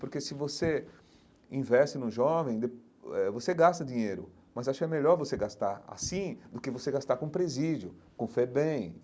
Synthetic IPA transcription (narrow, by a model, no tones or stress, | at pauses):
poɾkesɪvose | ĩvɛst͡ʃɪnũʒɔvẽj̃d̪ep | ɛvoseɡast̪ɐd͡ʒĩɲejɾʊ̰ | mɐzaʃʊkɛmeʎɔɾvoseɡast̪aɾa̰sĩd̪ʊkɪvoseɡast̪aɾkõpɾezid͡ʒjʊkõfɛbẽj̃